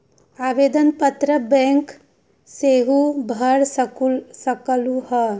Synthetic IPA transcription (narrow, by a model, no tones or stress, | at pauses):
aːʋeːd̪ɐnpɐt̪ɾɐbeŋk | seːɦubʱɐɽssɐkɐluɦɐ